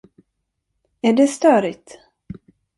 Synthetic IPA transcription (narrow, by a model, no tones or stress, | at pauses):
æɖɛst̪œːɾɪt̪